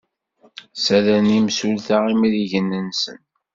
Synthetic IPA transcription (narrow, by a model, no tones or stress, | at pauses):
sælænimsulθaimɾiʝənːənsə̰n